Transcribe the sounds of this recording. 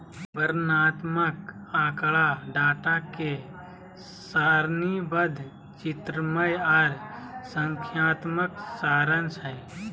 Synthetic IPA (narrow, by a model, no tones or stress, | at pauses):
bəɾnaːt̪məkãːkɭaɖaːʈake | saːɾnibəd̪ʱ | t͡ʃɪt̪ɾəməjaɾsəŋkʰjaːt̪məksaːɾənsəj